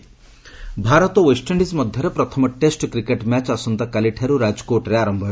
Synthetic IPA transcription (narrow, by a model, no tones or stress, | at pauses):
bʱaɾɔt̪ɔwesʈʰeɳɖismɔd̪ʱjɔɾepɾɔt̪ʰɔmɔʈesʈkɾikeʈmat͡ʃasɔnt̪akaliʈʰaɾuɾad͡ʒɔ̥koɾʈɾeaɾɔmbʱɔ